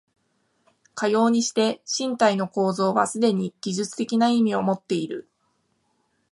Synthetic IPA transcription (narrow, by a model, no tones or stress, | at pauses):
kajo̞ːɲ̟iɕi̥t̪e̞ɕĩnt̪aino̞ko̞ːzo̞ːβasɨd̪e̞ɲ̟iɡ̥ʲiʑɨt͡sɨ̥t̪e̞kʲinaimʲio̞mo̞t̪ːe̞iɾɯ̟̰